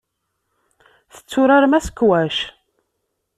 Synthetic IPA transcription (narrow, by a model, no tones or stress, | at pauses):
θə̥t͡sːʊɾaɾmæsə̥kːwæʃ